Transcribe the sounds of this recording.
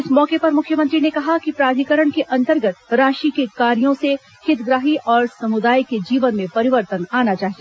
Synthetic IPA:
ɪsmɔːkepɐɾmʊkʰjəmɐ̃nt̪ɾinekɐɦakipɾaːd̪ʱikəɾəɽ̃keʔɐ̃nt̪əɾɡət̪ɾaːʃikekaːɾijõse | hʰɪt̪ɡɾaːɦiʔɔːɾsɐmʊd̪aːjked͡ʒiːʋənmẽpɐɾɪʋəɾt̪ənaːnat͡ʃaːɦie

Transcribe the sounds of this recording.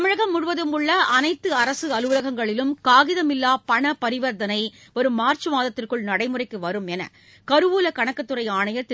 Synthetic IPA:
t̪ɐmɪɻɐɣɐmːʊɽɯʋɐðɯmɯɭːɐʔɐnɐɪt̪ːɯɐɾɐsɯɐlʋlɐɣɐŋɡɐɭɪlɯmkaːɣɪðɐmɪlːaːpɐɳɐpɐɾɪʋɐɾd̪ɐnɐɪ | ɔɾɯmaːrt͡ʃɯmaːðɐt̪ːɪrkɯɭnɐɽɐɪmɯrɐɪkːɯʋɐɾɯmɛnɐ̰ | kɐɾɯʋuːlɐkɐɳɐkːɐt̪ːɯrɐɪaːɳɐjɐt̪ɪ

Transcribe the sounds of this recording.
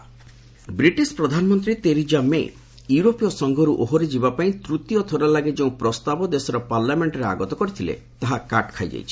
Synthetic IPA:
bɾiʈispɾɔd̪ʱanɔmɔnt̪ɾit̪eɾid͡ʒamḛ | juɾopijɔsɔŋɡʱɔɾuʔoɦoɾid͡ʒibapaĩt̪ɾut̪ijɔt̪ʰɔɾalaɡed͡ʒeũpɾɔst̪abɔd̪esɔɾɔpaɾlameɳʈɔɾea̰ɡɔt̪ɔkɔɾit̪ʰilḛ | t̪aɦakaʈkʰajd͡ʒa̰jt͡ʃʰi̥

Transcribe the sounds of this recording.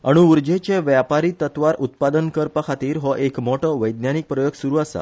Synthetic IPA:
əɽ̃uuɾd͡ʑet͡ɕẽʋjapaɾit̪ət̪ʋaɾut̪̚pad̪ənkəɾpəkʰat̪iːɾɦɔʔekmɔʈʰɔʋəjd̪njanik̚pɾəjoɡsuɾuasa̰

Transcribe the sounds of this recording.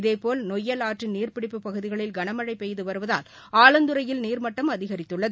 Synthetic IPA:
ɪðeːpoːlnɔjːɐlaːʈriniːrpɪɽɪpːɯpːɐɣɯðɪɣɐɭɪlɡɐɳɐmɐɻɐɪpːɛjðɯʋɐɾɯʋɐðaːl | aːɭɐnd̪ɯɾɐjɪlniːɾmɐʈːɐmɐðɪɣɐɾɪt̪ːɯɭːɐðɯ

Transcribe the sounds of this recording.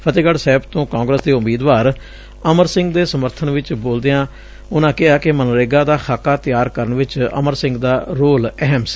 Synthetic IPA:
pʰət̪eːɡəɽsɛːbt̪õːkãːŋɡɾəsd̪eːʊmiːd̪ʋaːɾ | əməɾsɪ̃ŋɡd̪eːsəməɾt̪ʰənʋɪt͡ʃboːld̪ejãː | ʊnãːkɪaːkɪmənɾeːɡaːd̪aːxʰaːkaːt̪ɪjaːɾkəɾəɳʋɪt͡ʃə̰məɾsɪ̃ŋɡd̪aːɾoːlɛɦms

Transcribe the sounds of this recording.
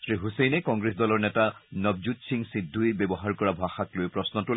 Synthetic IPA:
sɹiɦusejnɛkɔŋɡɹesdɔlɔɹnɛtanɔb̚d͡ʒutsiŋsidʱːuibɛbɔɦaɹkɔɹabʱaxaklojpɹɔsnɔtʊl

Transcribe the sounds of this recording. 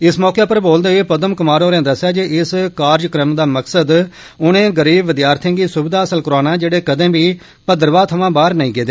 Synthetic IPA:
ɪsmɔːkeːpəɾboːld̪eːpəd̪əmkʊmaːɾoːɾɛ̃ːd̪əsːjaːd͡ʒeɪskaːɾd͡ʒkɾəmd̪aːməksəd̪ | ʊnẽːɡəɾiːbʋɪd̪jaːɾt̪ʰɪ̃ːɡiːsʊbɪd̪aːəsəlkəɾaːnaːd͡ʒeːɽeːkəd̪ẽːbiː | pəd̪əɾʋaːt̪ʰəʋãːbaːɾnəĩːɡeːd̪eː

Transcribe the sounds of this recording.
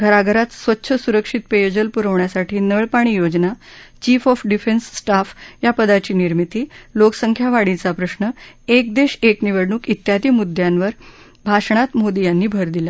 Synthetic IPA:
ɡʱəɾaɡʱəɾat̪sʋət̪ːɕʰəsuɾəkʂit̪̚pejod͡ʑəlpuɾəʋɳjasaʈʰiːnəɭpaɽ̃iːjod͡ʑnat͡ɕiːfɔfɖifensːʈafjapəd̪at͡ɕiːniɾmit̪iːloksəŋkʰjaʋaɽĩt͡sapɾəsnəek̚d̪eɕekniʋəɽɳuːkit̪jad̪iːmud̪ʱjãnʋəɾ | bʱaʂɳ̃at̪mod̪ijanːiːbʱəɾd̪ila

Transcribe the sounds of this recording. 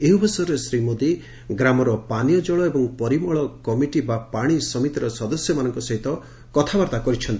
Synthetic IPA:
eɦubʱɔsɔjɔɾesɾimod̪i | ɡɾamɔɾɔpanijɔd͡ʒɔɭɔebɔŋpɔɾimɔɭɔkɔmiʈibapaɽ̃isɔmit̪iɾɔsɔd̪ɔsjɔmanɔŋkɔsɔɦit̪ɔ | kɔt̪ʰabaɾt̪akɔɾit͡ʃʰɔnt̪i

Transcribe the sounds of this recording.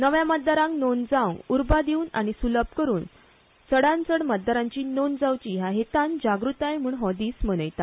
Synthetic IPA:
nəʋjãmət̪̚d̪aɾãŋknond͡zaw̃uɾbad̪iuːna̰ɽ̃isuləb̚kəɾuːn | t͡səɽãnt͡səɽmət̪̚d̪aɾãɲt͡ɕiːnond͡zawt͡ɕiːjaɦet̪ãnd͡ʑaɡɾut̪ajm̤uːɳɦɔd̪iːsmənəjt̪a

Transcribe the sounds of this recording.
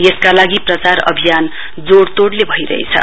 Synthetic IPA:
jeskalaɡiprʌt͡saɾʌ̰bʱijan | d͡zoɽt̪oɽlebʱʌiɾʌ̰ɦḛt͡sʰʌ̰

